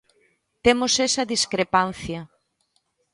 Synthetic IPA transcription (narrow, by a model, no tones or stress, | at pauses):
t̪emosesɐðiskɾepan̟θjɐ